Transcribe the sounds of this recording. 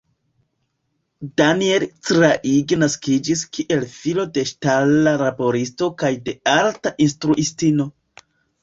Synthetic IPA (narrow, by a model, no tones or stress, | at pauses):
danielt͡sɾaʔiɡnaskid͡ʒiskʰiʔe̞lfilo̞de̞ʃtalːaɾapo̞ɾisto̞kajde̞altaʔinstɾuʔistino̞